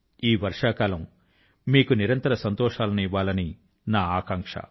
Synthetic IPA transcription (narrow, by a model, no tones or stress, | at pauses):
iːʋɐɾʂaːkaːlɐm | miːkuniɾɐnt̪ɐɾɐsɐnt̪ɔːʂaːlɐniʋaːlɐni | naːaːkaːŋkʂɐ̰